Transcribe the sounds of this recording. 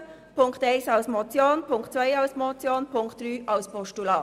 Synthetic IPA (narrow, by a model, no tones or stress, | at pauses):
pʰʊŋktaɪsɑʊsmɔt͡sjoːnpʰʊŋktt͡sʋœɪaʊsmɔt͡sjoːnpʰʊŋktd̥ryːʔɑʊspʰɔʃtulɑː